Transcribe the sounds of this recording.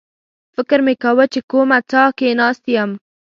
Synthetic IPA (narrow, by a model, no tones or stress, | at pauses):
fɪkɾmekawət͡ʃekomat͡sɑkenɑst̪ijam